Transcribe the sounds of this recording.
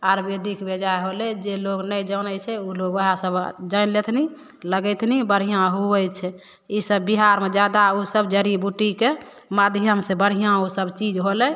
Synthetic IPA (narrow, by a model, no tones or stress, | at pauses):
aɾbed̪ikʰbed͡ʒaeɦolɛd͡ʒeloɡnəd͡ʒənət͡ʃʰɛuloɡəɦãsəbd͡ʒənlet̪ʰni | ləɡɛt̪ʰnibəɾ̤ijãɦuɛjt͡ʃʰɛ | isəbːiɦaɾmed͡ʒad̪ausəbd͡ʒəɾibuʈike | mad̪ʱjəmsẽbəɽ̤ijãusəbt͡ʃid͡ʒɦolɛ